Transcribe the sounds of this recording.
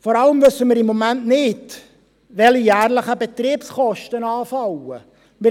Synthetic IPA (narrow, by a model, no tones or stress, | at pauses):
fɔɾɑləmvɵsːəmɪːɾɪmːɔmæntnɪd | ʋɛlijæːɾləχəbɛt̪ɾiːpskɔʃtənɑːfɑwə | mɪ